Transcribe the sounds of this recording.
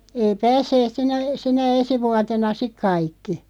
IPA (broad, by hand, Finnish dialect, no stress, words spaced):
ei pæːsːeːt sinæ sinæ esi ʋuɑtenɑ sik kɑikːi